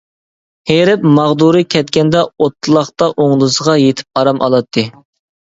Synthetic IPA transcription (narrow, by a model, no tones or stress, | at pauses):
heɾɪpmɑʁd̪uɾɨkʲʰɛt̪kʲɛnd̪ɛot̪ʰːɨlˠɑχt̪ɑʔoŋlˠɨsəʁɑjet̪ʰɪ̥p̚ɑɾɑmʔɑ̰lˠɑt̪ʰːɨ